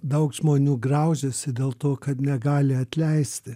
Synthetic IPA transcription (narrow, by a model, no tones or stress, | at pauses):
d̪ɐʊkʒmoːnʲuːɡrɑʊʒʲɛsʲɪd̪ʲeːlˠt̪oːkɐt̪nʲɛɡɑːlʲɪɐt̪ʲlʲɛɪsʲt̪ʲɪ